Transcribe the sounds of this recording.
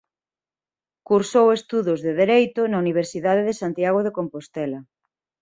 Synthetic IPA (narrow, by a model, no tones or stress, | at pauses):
kuɾsowest̪uðʊzðeðeɾejt̪ʊnauniβ̞eɾsiðað̞eðesant̪jaɣ̞oðekompost̪ɛlɐ